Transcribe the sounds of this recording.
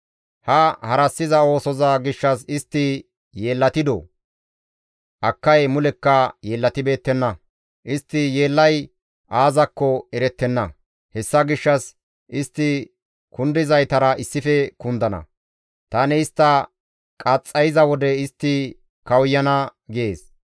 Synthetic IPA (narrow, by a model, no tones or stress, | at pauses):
hɐhɐɾɐsːɪzɐo̞ːsɔzɐɡɪʃːɐsɪst̪ːɪ | jeːlːɐt̪ɪd̪o̰ | ʔɐkːɐjmʊlɛkːɐje̞ːlːɐt̪ɪbe̞ːt̪ːɛnːɐ | ʔɪst̪ːɪjeːlːɐj | ʔaːzɐkːɔɛɾɛt̪ːɛnːɐ | hɛsːɐɡɪʃːɐs | ʔɪst̪ːɪ | kʊnd̪ɪzɐjt̪ɐɾɐʔɪsːɪfɛkʊnd̪ɐnɐ̰ | t̪ɐːnɪɪst̪ːɐ | kʼɐt͡sʼːɐjɪzɐwɔd̪ɛɪst̪ːɪ | kɐwʊjːɐnɐɡɪeːs